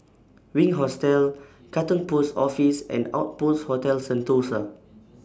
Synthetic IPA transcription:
wĩŋɦɔstɛl | katə̃npusɔfisɛ̰̃na̰ʊt̚putshotɛlsə̃ntosə

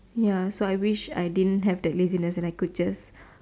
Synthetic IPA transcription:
jasoajwiʃa̰jdidə̃nɦɛvdɛt̚lezinəsɛ̃najkud̚d͡ʒas

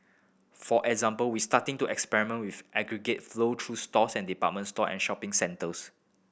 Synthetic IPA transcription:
fɔʔɛɡzãmpəlwistatɪ̃ŋtuɛkspɛɹimə̃nwifʔɛɡɹiɡet̚flotʰɹustɔsɛ̃ndipa̰t̚mə̃ntstɔʔɛ̰̃nʃɔpɪ̃ŋsɛ̃ntəs

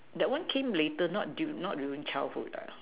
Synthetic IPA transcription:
dɛt̚wãnkʰẽmletənɔ̰t̚dunɔt̚ɹuĩŋt͡ʃaɪlhṵda̰

